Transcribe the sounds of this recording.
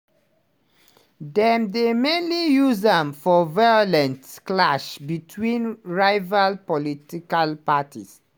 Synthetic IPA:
dɛmdemẽnlijuzãmfɔvaɔlɛ̃ntklaʃbitʰwĩnɹaɪvalpɔlitikalpatʰḭs

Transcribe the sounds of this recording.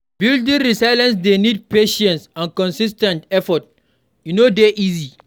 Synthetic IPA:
bildĩŋɾisaɪlãns̬denid̚peʃɛ̃nsãnkɔ̃nsis̬tɛ̃ntɛfɔt̚ | junodeʔizi

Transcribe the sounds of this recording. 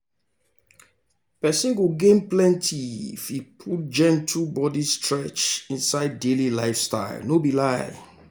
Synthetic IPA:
pɛsẽɡoɡẽnplɛ̃ntʰifipʰut̚d͡ʒɛ̃ntʰubɔdistʰɹɛt͡ʃĩnsaɪdelilaɪfsta̰ɪlnobilaɪ̰

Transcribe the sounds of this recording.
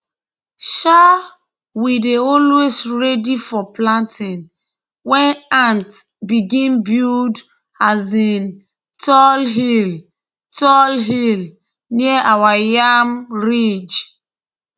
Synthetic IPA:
ʃa | wideɔlwesɹɛdifɔplãntʰĩn | wɛ̃nãnt | biɡĩnbuld | azin | tʰɔlɦil | tɔlɦil | niɛʔawajamɹid͡ʒ

